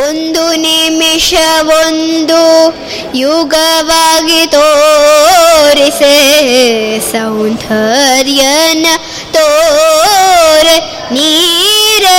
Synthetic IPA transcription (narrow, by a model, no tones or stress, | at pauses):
ond̪unimiʂɐʋond̪u | juɡɐʋaːɡit̪oː | ɾise | sɐwnt̪ʰɐɾjɐnɐ | t̪oː | ɾe | niːɾɐ